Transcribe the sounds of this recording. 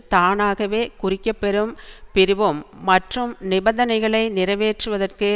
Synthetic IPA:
t̪aːnaːɣɐʋeːkʊrɪkːɐpːɛɾɯmpɪɾɯʋɯmːɐʈrɯmnɪbɐnd̪ɐnɐɪɣɐɭɐɪnɪɾɐʋeːʈrɯʋɐðɐrkɯ

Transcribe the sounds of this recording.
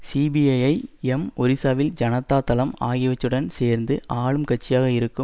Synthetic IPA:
siːbiɐjɐɪɛmɔɾɪsaːʋɪld͡ʒɐnɐt̪ːaːt̪ɐlɐmaːɣɪʋɐt͡ʃːɯɽɐnseːɾnd̪ɯʔaːɻɯmkɐʈ̚t͡ʃːɪjaːɣɐɪɾɯkːɯm

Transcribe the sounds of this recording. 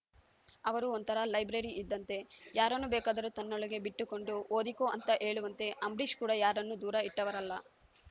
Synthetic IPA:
ɐʋɐɾuont̪ɐɾɐlɐjbɾɐɾiʔid̪ːɐnt̪e̞jaːɾɐnːubɛːkaːd̪ɐɾut̪ɐnːɔɭɐɡe̞biʈːuko̞ɳɖuoːd̪ikoːʔɐnt̪ɐʔe̞ːɭuʋɐnt̪e̞ʔɐmbɾiʃkuːɽɐjaːɾɐnːud̪uːɾɐiʈːɐʋɐɾɐlːɐ

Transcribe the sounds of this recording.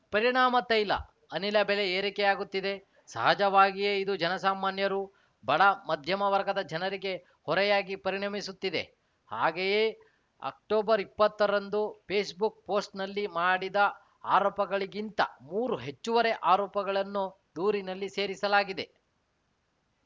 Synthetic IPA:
pɐɾiɳaːmɐt̪ɐjlɐ̰ | ɐnilɐbeleeːɾikɛjaːɡut̪ːid̪e̞ | sɐ̰ɦɐd͡ʒɐʋaːɡijeid̪ud͡ʒɐnɐsaːmaːnjɐɾu | bʱɐɭɐmɐd̪ʱjɐmɐʋɐɾɡɐd̪ɐd͡ʒɐnɐɾiɡe̞ | hɔɾɛjaːɡipɐɾiɳɐmisut̪ːid̪ḛ | ha̰ːɡejeː | ɐ̰k̚ʈoːbɐɾipːɐt̪ːɐɾɐnd̪upʰeːsbuk̚po̞ːsʈnɐlːimaːɽid̪ɐ | aːɾoːpɐɡɐɭiɡint̪ɐ̰muːɾuɦe̞t͡ʃːuʋɐɾe̞ʔaːɾɔːpɐɡɐɭɐnːu | d̪uːɾinɐlːise̞ːɾisɐlaːɡid̪e̞

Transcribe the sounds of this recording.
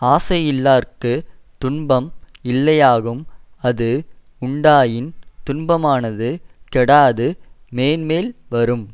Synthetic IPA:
aːsɐjɪlːaːrkɯt̪ʊɳbɐmɪlːɐjaːɣɯmɐðɯ | ʊɳɖaːjɪnt̪ʊɳbɐmaːnɐðɯkɛɽaːðɯmeːnmeːlʋɐɾɯm

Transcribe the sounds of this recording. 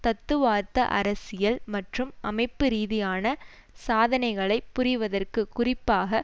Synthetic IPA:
t̪ɐt̪ːɯʋaːɾt̪ɐ̰ʔɐ̰ɾɐsɪjɐlmɐʈrɯmʔɐmɐɪpːɯɾiːðɪjaːnɐ | saːðɐnɐɪɣɐɭɐɪpːʊrɪʋɐðɐrkɯkʊrɪpːaːɣɐ

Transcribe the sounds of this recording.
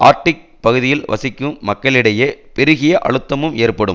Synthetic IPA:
ʔa̰ːɾʈɪk̚pɐɣɯðɪjɪlʋɐ̰sɪkːɯmːɐkːɐɭɪɽɐjeːpɛɾɪɣɪjɐʔɐ̰ɭɯt̪ːɐmɯmeːrpɐɽɯ̰m

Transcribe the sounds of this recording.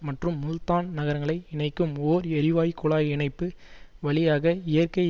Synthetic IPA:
mɐʈrɯmːʊlt̪aːnnɐɣɐɾɐŋɡɐɭɐɪɪɳɐɪkːɯmoːɾɛɾɪʋaːjkːʊɭaːjɪɳɐɪpːɯʋɐɭɪjaːɣɐɪjɐrkɐɪ

